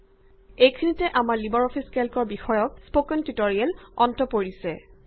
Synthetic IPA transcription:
ejkʰinitɛʔamaɹlibɔɹɔpʰiskɛlkɔɹbixɔjɔk̚spokɔntitoɹiɛlɔntɔpoɹisɛ

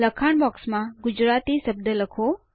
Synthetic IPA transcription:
ləkʰaɳbɔksmãɡʊd͡ʒɾat̪isəb̚d̪ələkʰo

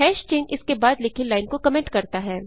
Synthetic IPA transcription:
ɦɛːʃt͡ʃẽːnɪskebaːd̪lɪkʰilaːɪnkokɐmẽːɳʈkɐɾt̪aɦɛː

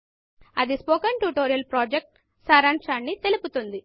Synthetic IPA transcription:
ɐd̪ispoːkɐɳʈuʈoːɾijɐlpɾoːd͡ʒek̚ʈ | saːɾaɳt͡ʃaːnːit̪e̞luput̪und̪i

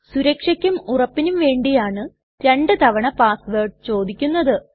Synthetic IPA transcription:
suɾɐkʂɐkʲːumurɐpːinumʋe̞ːɳɖijaːɳɨ | t̪eɳɖɨt̪ɐʋɐɳɐpaːsʋeːʈt͡ɕo̞ːd̪ikʲːunːɐðɨ

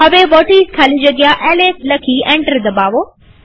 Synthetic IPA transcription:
ɦɐʋebɔːʈiːskʰaːlĩd͡ʑɐɡɪjaʔeːleːslɐkʰiẽːɳʈəɾd̪ɐbaːʋoː

